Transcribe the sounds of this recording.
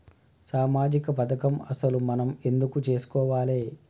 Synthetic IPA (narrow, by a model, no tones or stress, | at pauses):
saːmaːd͡ʒikɐpɐt̪ʰɐkɐmɐsɐlumɐnɐme̞nd̪ukut͡ʃe̞ːsu̥kɔːʋaːleː